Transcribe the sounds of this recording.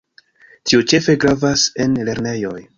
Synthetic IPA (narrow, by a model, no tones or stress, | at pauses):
tiot͡ʃe̞fe̞ɡɾavase̞nle̞ɾne̞jo̞̰j